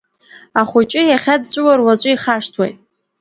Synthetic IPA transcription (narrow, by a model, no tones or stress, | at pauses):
aχʷʊt͡ʃʼɪjaχʲadt͡ʃʷʼɨwarwat͡ʃʷʼʊiχaʂtʰwa̰j